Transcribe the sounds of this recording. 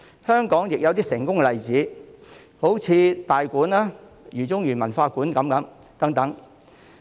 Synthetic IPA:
hœː˥ŋkɔː˨˥ŋjɪ˨k̚jɐ˨˧wt̪iː˥sɪ˨˩ŋkʊ˥ŋkɛ˧lɐ˨jt͡siː˨˥ | ho˨˥wt͡sʰiː˨˧t̪aː˨jkuː˨˥naː˥jyː˨˩t͡sʊ˥ŋjyː˨˩nmɐ˨˩nfaː˧kuː˨˥nkɐ˨˥mkɐ˨˧˥m | t̪ɐ˨˥ŋt̪ɐ˨˥ŋ

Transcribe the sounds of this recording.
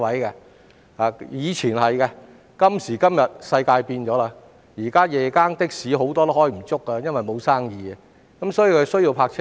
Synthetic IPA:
wɐ˨˥jkɛ˧ | haː˨jiː˨˧t͡ʃʰiː˨˩nhɐ˨jkɛ˧ | kɐ˥msiː˨˩kɐ˥mjɐ˨t̚sɐ˧jkaː˧jpiː˧nt͡ʃɔː˨˥la˧ | jiː˨˩kaː˥jɛː˨kaː˥ŋt̪ɪ˥k̚siː˨˥ɦo˨˥wt̪ɔː˥t̪o˥hɔː˨˥ji˨˩m̩˨˩t͡sʊ˥kːɐ˧jɐ˥nwɐ˨jmo˨˧wsaː˥ŋjiː˨˧ | kɐ˨˦msɔː˨˥jiː˨˧kʰɵ˨˧sɵ˥ɥji˧wpʰaː˧k̚t͡ʃʰ

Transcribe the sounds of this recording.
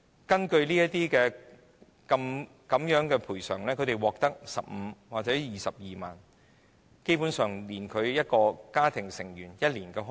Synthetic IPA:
kɐ˥nkɵ˧ɥliː˥jɐ˥tt̪iː˥kɛː˧ | kɐ˧m | kɐ˨˧˥mjœː˨˥ŋkɛː˧pʰuː˨˩jsœ̰ː˨˩ŋlɛː˥kʰɵ˨˧t̪e˨jwɔː˨k̚t̪ɐ˥k̚sɐ˨p̚m̩ː˨˧waː˨k̚t͡sɛː˨˥jiː˨sɐ˨p̚jiː˨ma̰ː˨n | ke˥jpu˨˥nsœː˨˩ŋliː˨˩nkʰɵ˨˧ɥjɐ˥t̚kɔː˧kaː˥t̪ʰɪ˨˩ŋsɪ˨˩ŋjyː˨˩njɐ˥t̚liː˨˩nkɛː˧ɦ

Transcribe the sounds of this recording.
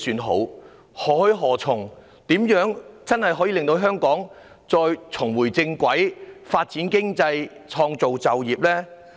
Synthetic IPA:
syː˨˧nɦo̰˨˥w | hɔː˨˩hɵ˧ɥɦɔː˨˩t͡sʰʊ˨˩ŋ | t̪iː˨˥mjœː˨˥ŋt͡sɐ˥nhɐ˨˩jɦɔː˨˥jiː˧lɪ˨ŋt̪o˧wɦœː˥ŋkɔː˨˥ŋ | t͡sɔː˧jt͡sʰʊ˨˩ŋwuː˨˩jt͡sɪ˧ŋkʷɐ˨˥jfaː˧t̚t͡siː˨˥nkɪ˥ŋt͡sɐ˧jt͡sʰɔː˧ŋt͡so˨wt͡sɐ˨wjiː˨p̚lɛː˥

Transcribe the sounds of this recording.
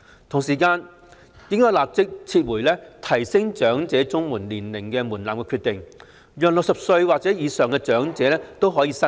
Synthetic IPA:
t̪ʰʊ˨˩ŋsiː˨˩kaː˧n | jɪ˥ŋkɔː˥jlaː˨p̚t͡sɪ˥k̚t͡sʰiː˧t̚wuː˨˩jlɛː˥t̪ʰɐ˨˩jsɪ˥ŋt͡ʃœː˨˥ŋt͡sɛː˨˥t͡sʊ˥ŋmuː˨˩nliː˨˩nlɪ˨˩ŋkɛː˧muː˨˩nlaː˨mkɛ˧kʰyː˧t̪ɪ˨ŋ | jœː˨k̚lʊ˨k̚sɐ˨p̚sɵ˧ɥwaː˨k̚t͡sɛː˨˥jiː˨˧sœː˨ŋkɛ˧t͡ʃœː˨˥ŋt͡sɛː˨˦lɛː˥t̪wɦɔː˨˥jiː˨˧sɐ˥

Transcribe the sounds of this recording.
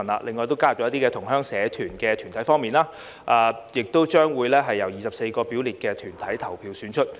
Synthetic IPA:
nla̰ː˧lʔe˨ŋɔː˨˧jt̪o˥wkaː˥ɐ˨˩t͡ʃɔ˨˦˥t̪iː˥kɛ˧t̪ʰʊ˨˩ŋɦœː˥ŋsɛː˨˧t̪ʰyː˨˩nkɛː˧t̪ʰyː˨˩nt̪ʰɐ˨˥jfɔː˥ŋmiː˨˩nlaː˥ | ʔaː˨˧jɪ˨k̚t̪o˥wt͡ʃœː˥ŋwuː˨˧jlɛː˥ɦɐ˨jːɐ˨˩wjiː˨sɐ˨p̚se˧jkɔː˧piː˨˥wliː˨t̚kɛː˧t̪ʰyː˨˩nt̪ʰɐ˨˥jt̪ʰɐ˨˩wpʰiː˧wsyː˨˥nt͡ʃʰɵ˥t̚

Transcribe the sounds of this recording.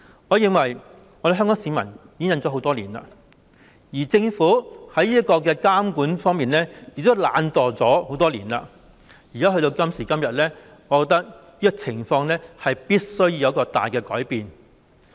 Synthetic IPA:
ŋɔː˨˧jɪ˨˧ŋwɐ˨˩j | ɔː˨˧ɾe˨ɦœ˥ŋkɔː˨˥ŋsiː˨˧˥mɐ˨˩njiː˨˧ɪ˥ŋjɐ˨˥nt͡sɔː˨˥ɦo˨˥wt̪ɔː˥liː˨˩nla̰ː˧ | jiː˨˩t͡sɪ˧ŋfuː˨˥hɐ˨˥jiː˥ɐ˥t̚kɔː˧k̬ɛː˧kaː˥mkuː˨˥nfɔː˥ŋmiː˨nlɛː˥jɪ˨˩k̚t̪̬ːwla̰ː˨˧nt̪ɔː˨t͡sɔː˨˥ho˨˥wt̪ɔː˥liː˨˩nla̰ː˧ | jiː˨˩kaː˨˦˥ɦɵ˧t̪o˧wkɐ˥msiː˨˩kɐ˥mjɐ˨t̚lɛː˥ | ŋɔ˨˧kɔ˧k̚t̪ɐ˥k̚jiː˥ɛ˧k̚t͡sʰɪ˨˩ŋfɔː˧ŋlɛː˥hɐ˨jpiː˥t̚sɵ˥ɥjiː˧jkɔː˧t̪a̰ː˨jkɛː˧kɔː˨˥jpiː˨n

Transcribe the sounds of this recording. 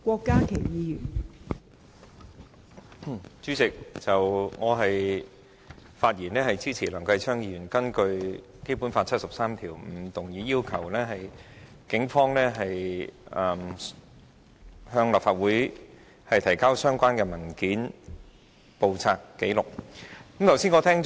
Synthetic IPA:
kʷɔː˧kːaː˥kʰe˨˩jjiː˨˧jyː˨˩n˩ | t͡syː˨˥t͡sɪ˨k̚t͡sɐ˨wŋɔː˨˧ɦɐ˨j | faː˧t̚jiː˨˩nlɛː˥hɐ˨jt͡siː˥t͡sʰiː˨˩lœː˨˩ŋkɐ˧jt͡sʰœː˥ŋjiː˧ɥyː˨˩nkɐ˥nkɵ˧ɥ | ke˥jpu˨˥nfaː˧t̚t͡sʰɐ˥t̚sɐ˨p̚saː˥mt̪ʰiː˨˩wm̩˨˧t̪ʊ˨˩ŋjiː˨˧jiː˥wkʰɐ˨˩wlɛː˥ɦɐ˨j | kɪ˨˥ŋfɔː˥ŋlɛː˥ɦɐ˨jʔɐ˧m | hœː˧ŋlɐ˨p̚faː˧t̚wuː˨˥j | hɐ˨jt̪ʰɐ˨˩jkaː˥wsœː˥ŋkʷaː˥nkɛː˧mɐ˨˩nkiː˨˥n | po˨wt͡sʰaː˧kːe˨˥jlʊ˨˩k̚kɐ˨˥mt̪ʰɐ˨˩wsi˥nŋɔː˨˧t̪ʰɛː˥ŋ

